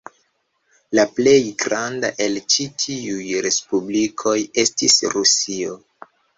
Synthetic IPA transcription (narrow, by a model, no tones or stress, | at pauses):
laple̞jɡɾanda̰ʔe̞lt͡ʃitʰiujɾe̞spublikʰo̞je̞stisɾusio